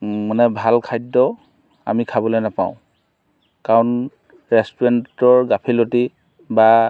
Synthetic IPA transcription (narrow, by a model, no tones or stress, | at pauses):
manɛbʱalkʰajdːɔ | a̰mikʰabɔlojnapãʊ̃ | kaɹɔn | ɹɛstuɹɛntɔɹɡapʰiloti | ba